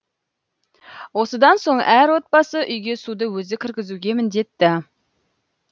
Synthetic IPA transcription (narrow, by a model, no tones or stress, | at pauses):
wo̞səd̪ɑnso̞ɴæɾwo̞t̪̚bɑsəʔʏjɡʲe̞sud̪əwɵzɪkʲʰɪɾkʲɪzuɡʲe̞mɪnd̪e̞t̪ːɪ